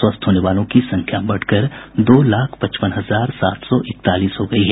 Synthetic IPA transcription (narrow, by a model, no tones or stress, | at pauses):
wəst̪ʰɦoːneʋaːlõkisɐ̃ŋkʰjabɐɽ̤kɐɾd̪oːlaːkʰpɐt͡ʃpəñɦɐzaːɾsa̰ːt̪sɔʔɪk̚t̪aːliːsɦoɡɐiɦɛ